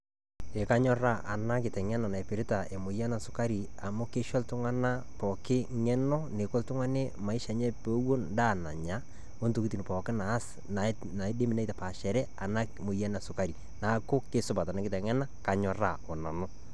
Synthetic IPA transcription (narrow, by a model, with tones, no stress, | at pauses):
e˨ka˦ɲɔ˦ra˦ʔa̰˨na˦kɪ˨tɛ˨ŋɛ˦na˨na˨ɛ˨pɪ˨ɾɪ˦ta˨ʔe˨mo˨ja˦na˨sʊ̥˨ka˦ɾi˨ | a˨mʊ˦kɪ˦ʃɔ˦ltʊ˦ŋa˦na˦ | pɔ˨kɪ˦ŋɛ˦nɔ˦ne˨ko˦ltʊ˦ŋa˦nɛ˦ma˨ɪ˦ʃa˨ɲɛ˦po˦wo˦nda˦˨na˨ɲa˦ | o˦nto˨kiti˨npɔ˨kɪ˦naː˨˦s | na˨ | na˨˦de˦mi˨na˦ta˨pa˨ʃɛ˨ɾɛ˦a˨na˦ | mo˨ja˦na˨sʊ˨ka˦ɾi˨ | na˨˦kʊ˦kɪ˦sʊ˦ba˨ta˨na˦kɪ˦tɛ˨ŋɛ˦na˦ka˨ɲɔ˦ra̰˨ɔ˨na˨nʊ˦